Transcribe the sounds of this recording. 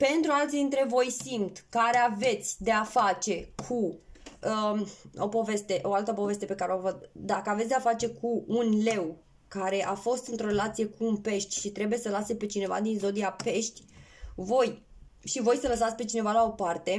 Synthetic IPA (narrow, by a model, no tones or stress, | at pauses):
pe̞nt̪ɾualt̪sid̪int̪ɾe̞vo̞jsimt̪kaɾe̞ave̞t̪sʲd̪e̞afat͡ʃe̞kʰuəo̞̰po̞ve̞st̪e̞ʔo̞alt̪əpo̞ve̞st̪e̞pe̞kaɾeovot̪̚d̪akəavet̪sʲd̪eafat͡ʃe̞kʰuːnle̞w | kaɾe̞ʔafo̞st̪ɨnt̪ɾo̞ɾe̞lat̪sije̞kuːnpe̞ʃt̪ʲʃit̪ɾe̞buje̞səlasepe̞t͡ʃine̞va̰d̪inzo̞d̪iape̞ʃt̪ʲ | vo̞j | ʃivo̞jsələs̬at̪sʲpe̞t͡ʃine̞valao̞part̪e̞